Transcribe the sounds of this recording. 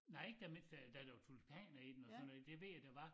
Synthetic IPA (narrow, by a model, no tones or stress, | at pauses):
nɑ̈ɪeɡ̥̚d̥æme̝n̰sd̥æd̥æɾ̥æjo̝t͡sʰulpʰɛ̰ːnɐid̥enɒsɒnːɔð̩̰ˠd̥e̝ʋe̝̰jæd̥æʋɑ̈